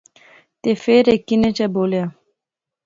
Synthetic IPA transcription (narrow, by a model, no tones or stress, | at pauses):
t̪efeɾekinet͡ʃɛbolea